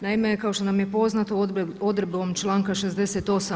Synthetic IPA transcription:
naimekaoʃt̪o̞namjepo̞znat̪ood̪ɾebo̞mt͡ʃlˠaːŋkaʃezd̪eset̪o̞sa

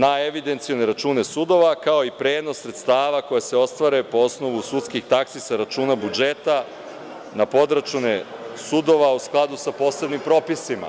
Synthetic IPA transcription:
naeʋid̪ent̪sijone̞ɾat͡ʃuːne̞sud̪o̞ʋakao̞ipɾe̞ːd̪no̞sːɾet̪st̪aːʋako̞jase̞o̞st̪ʋaɾe̞po̞o̞sno̞ʋusut̪skixt̪aksisaɾat͡ʃuːnabud͡ʒe̞t̪a | napo̞d̪ɾat͡ʃunesud̪o̞ʋausklˠad̪usapo̞se̞bnimpɾo̞pisima̰

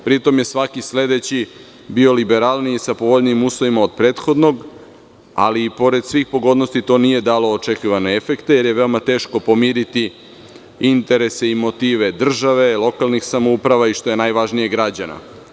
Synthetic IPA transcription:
pɾit̪o̞mje̞sʋakisle̞d̪e̞t͡ɕi | bio̞libeɾaːlnisapoʋoʎniːmuslˠoʋimaod̪̚pɾeːt̪xo̞d̪no̞ɡ | a̰liːpo̞ɾe̞d̪sʋiːxpo̞ɡo̞d̪no̞st̪it̪o̞nije̞d̪aːlo̞ːt͡ʃekiʋane̞efe̞kt̪eje̞ɾjeʋe̞o̞mat̪e̞ːʃko̞po̞miːɾit̪i | int̪e̞ɾe̞seimo̞t̪iːʋe̞d̪r̩ʒaʋe̞lˠo̞kalˠnixsamo̞upɾaʋaiʃt̪o̞je̞najʋaʒnije̞ɡɾad͡ʑana̰

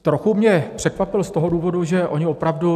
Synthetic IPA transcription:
t̪ɾoxumɲɛpr̝̥ɛkvapɪlst̪o̞ɦoduːvo̞duʒɛʔo̞ɲɪopɾavdu

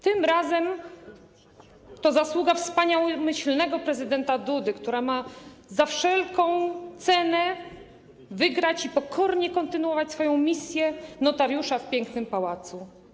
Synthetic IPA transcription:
t̪ɘmɾazɛm | t̪ɔzaswuɡafspaɲawmɘɕlnɛɡɔpɾɛzɘd̪ɛnt̪ad̪ud̪ɘkt̪uɾamazafʂɛlkɔ̃w̃t̪sɛnɛ | vɘɡɾat͡ɕipɔkʰɔɾɲɛkɔnt̪ɘnuwɔvat͡ɕʲsfɔjɔ̃w̃mʲisʲjɛnɔt̪aɾjuʂafpʲjɛŋknɘmpawat̪su

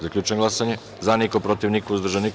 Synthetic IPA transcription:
zaklʲʎuːt͡ʃeŋɡlˠasaɲe | zanikopɾot̪iʋnikouzd̪ɾ̩ʒanik

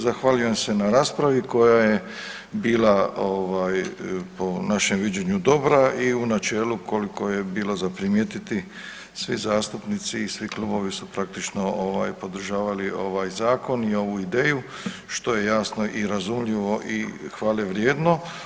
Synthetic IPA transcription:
zaxʋaːʎuje̞mse̞naɾaːspɾaʋiko̞jaje | biːlaoʋaːjpo̞naʃe̞mʋid͡ʑeɲud̪o̞bɾaiunat͡ʃeːluko̞liko̞jebiːlozapɾimjet̪it̪i | sʋizaːst̪upnit̪siːsʋiklˠubo̞ʋisupɾak̚t̪it͡ʃno̞oʋa̰ːjpo̞d̪ɾ̩ʒaːʋalio̞ʋaːjzaːko̞nio̞ʋuid̪eːju | ʃt̪o̞je̞jaːsno̞ʔiɾazumʎiʋo̞ʔixʋaːleʋɾjeːd̪no̞

